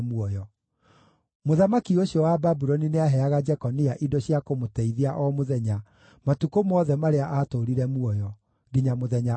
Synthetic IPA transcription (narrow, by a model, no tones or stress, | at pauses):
muɔjɔ | moðamakioɕijɔwababuɾɔnineaɦɛaɣad͡ʒɛkɔniaʔidɔɕiakomotɛiðiaʔɔmoðɛɲa | matukomɔːðɛmaɾeaʔatoɾiɾɛmuɔjɔ | diɲamoðɛɲa